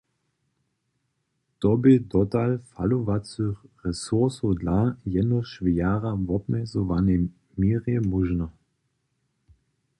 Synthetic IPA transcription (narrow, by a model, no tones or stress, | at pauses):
t̪ɔbɪd̪ɔtalfaluvat͡søxʁɛsuʁsodlajɛdnɔʃʋɪjaːʁavɔbmɛzɔʋanɛ | miːʁjɛmuʒnɔ